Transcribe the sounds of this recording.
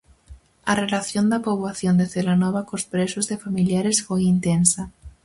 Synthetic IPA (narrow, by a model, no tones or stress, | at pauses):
ɐrelaθjond̪apoβwaθjond̪eθelanɔβakospɾesuzðefamiljaɾesfojint̪ensa